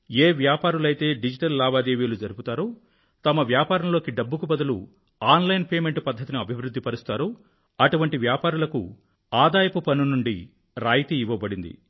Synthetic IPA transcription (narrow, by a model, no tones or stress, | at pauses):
eːʋjaːpaːɾulɐjit̪e̞ːɖid͡ʒiʈɐlːaːbaːd̪eːʋijɐlud͡ʒɐɾuput̪aːɾoː | t̪ɐmɐʋjaːpaːɾɐmlo̞ːkiɖɐbːukubɐd̪ɐlu | aːnlɐjnpe̞ːme̞ɳʈpɐd̪ʱːɐt̪iniɐbʱiʋɾud̪ʱːipɐɾust̪aːɾo | ɐʈuʋɐɳʈiʋjaːpaːɾulɐkṵ | aːd̪aːjɐpupɐnunuɳɖi | ɾaːjit̪iiʋːɐbɐɽind̪ḭ